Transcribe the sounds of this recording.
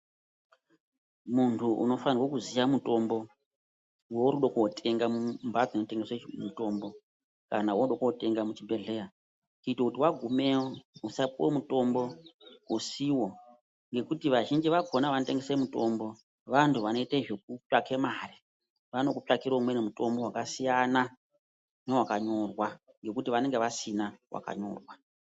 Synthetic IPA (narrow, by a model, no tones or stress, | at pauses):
muntʰuʔṵno̞fanirwokuzijamuto̞mbo̞ | woɾuɗokuotʰe̞ŋɡamumbʱad͡zinoteŋɡesemuto̞ːmbo̞ | kanawouɗokuote̞ŋɡamut͡ʃibʱeɮe̞ːra | kuitokutiwaɡʱumewousapomuto̞mbo̞usiwo̞ | ŋɡe̞kutiʋaʒind͡ʒiʋaɡʱo̞naʋanote̞ŋɡesemuto̞mbo̞ | ʋantʰuʋano̞iteʐek̚upakʰemaːri | ʋano̞kupakiɾomwe̞nemuto̞mbo̞ɦwakasijana | newakaɲo̞rwa | ŋɡe̞kutiʋane̞ŋɡeʋasinawa̰ka̰ɲo̞̰ːrwa